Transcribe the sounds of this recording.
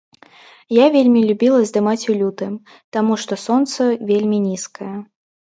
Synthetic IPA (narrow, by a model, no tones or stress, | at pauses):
javʲelʲmʲilʲubʲilˠɐzd̪ɨmat͡sʲulʲut̪ɨm | t̪amuʂt̪ɔsɔnt̪sɐvʲelʲmʲinʲiskɐjɐ